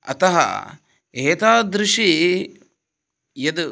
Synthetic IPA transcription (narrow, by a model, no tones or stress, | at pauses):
ɐ̰t̪ɐɦɐ̰ | eːt̪aːd̪ɾɪʂi | jɐd̪